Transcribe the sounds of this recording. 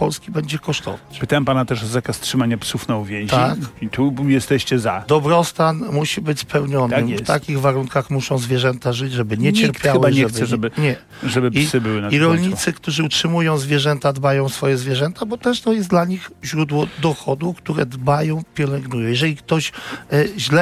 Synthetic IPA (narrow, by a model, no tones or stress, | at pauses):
pɔlskʲibɛɲd͡ʑɛkɔʂt̪ɔ̰vat͡ɕpt̪aɛmpanat̪ɛʂɔzakastʂɘmaɲapsufnawvʲjɛ̃w̃t̪aikit̪ujɛst̪ɛɕt͡ɕɛzad̪ɔbɾɔst̪anmuɕibɘt͡ɕʲspɛwɲɔnɪmft̪akʲiɣvaɾuŋkaxmuʂɔ̃w̃zvʲjɛʐɛnt̪aʐɘd͡ʑʐɛbɘɲɛt͡ɕɛɾtʲpjawaɲɛxtbsɛʐɛbɘɲɛ | ʐɛbɘpissɘbɘwɘnaiɾɔlɲit̪sɘkt̪uʐɘutʂɘmujɔ̃w̃zvʲjɛʐɛnt̪ad̪bajɔ̃w̃sfɔjɛzvʲjɛʐɛnt̪abɔt̪ɛʂt̪ɔjɛsd̪laɲixʑɾud̪wɔd̪ɔxɔd̪ukt̪uɾɛd̪bajɔ̃w̃pʲjɛlɛŋɡnujɔ̃w̃jɛʐɛlʲik̚t̪ɔɕ | ʑlɛ